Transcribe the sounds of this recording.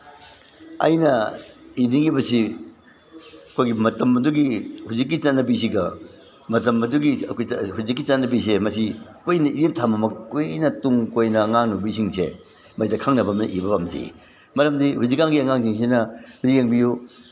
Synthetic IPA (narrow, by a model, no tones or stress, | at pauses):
ɐ̰jnɐiniŋibɐsi | ɐkʰojɡimɐtɐmɐduɡihuzik̬ːit͡ʃanːɐbis̬iɡɐ | mɐtɐmɐduɡiɐ̰kʰojhuzik̬ːit͡ʃanɐbis̬emɐsikojnɐiɾintʰamɐmɐkojnɐtuŋkojnɐŋaŋnubis̬iŋsḛ | mɐsidɐkʰaŋnɐbɐmnɐʔibɐbamzḭ | mɐɾɐmdihuzikːaŋɡiɐŋaŋs̬iŋs̬enɐɾijeŋbiju